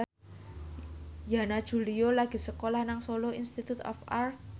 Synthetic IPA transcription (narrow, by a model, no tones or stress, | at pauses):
janad̥ʒ̥ṳliolaɡ̥i̤səkolahnaŋsoloinst̪it̪ut̪ɔ̰far